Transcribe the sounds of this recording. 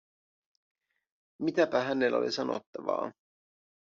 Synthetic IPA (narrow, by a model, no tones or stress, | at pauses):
mit̪æpæɦænelo̰lisɑno̰t̪ːɑʋɑ̰ː